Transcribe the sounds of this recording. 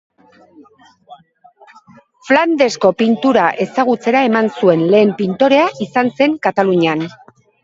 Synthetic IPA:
fland̪e̞sko̞pint̪uɾaʔe̞saɣ̞ut͡se̞ɾae̞mansue̞nle̞ːmpint̪o̞ɾe̞aʔisanse̞ŋkat̪aluɲean

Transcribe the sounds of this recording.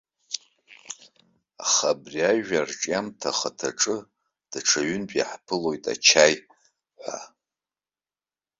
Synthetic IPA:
aχabriaʒᶣarʈ͡ʂʼjamtʰaχatʰaʈ͡ʂʼɨ | d̥aʈ͡ʂʰaɥʏnpʼjḭħpʰɨlo̞jtʼa̰t͡ʃʰaj | ħʷa̰

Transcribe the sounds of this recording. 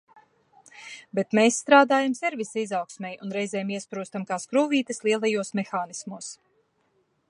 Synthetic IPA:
bet̪meːsːt̪ɾaːd̪aːjamsiɾvisaizawksmʲɛjunɾɛjzɛːmiɛspɾuːst̪amkaːskɾuːviːt̪ɨslˠiɛlˠajuɔsmexaːnismuɔs

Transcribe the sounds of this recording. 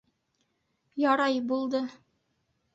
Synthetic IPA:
jɑɾɑjbulˠd̪ɤ

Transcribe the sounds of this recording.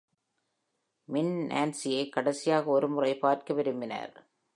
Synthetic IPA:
mɪnʔa̰ːnsɪjɐɪkːɐɽɐsɪjaːɣɐɔɾɯmʊrɐɪpaːrkɐʋɪɾɯmbɪnɐ̰ɾ

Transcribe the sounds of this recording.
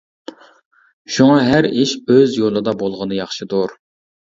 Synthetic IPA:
ʃuŋɑɦæɾiʃøzjolˠɨd̪ɑbolˠʁənɨjɑχʃɨd̪uɾ

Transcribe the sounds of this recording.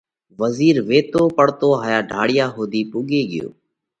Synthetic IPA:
ʋəziːɾʋeːt̪oːpəɽt̪oːɦaːjaːɖʱaːɽɪjaːɦoːd̪iːpuːɠeːɠɪ̰jo̰ː

